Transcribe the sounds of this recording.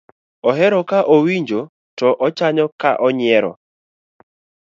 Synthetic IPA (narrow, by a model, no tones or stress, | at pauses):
ɔɦɛɾɔkaʔowiɲd͡ʒo | tɔʔɔt͡ʃaɲɔkaʔɔɲɪɛɾɔ̰